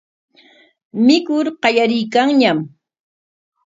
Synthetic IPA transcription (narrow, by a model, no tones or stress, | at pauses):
mɪkʊɾqɑʎaɾɪjkaŋɲam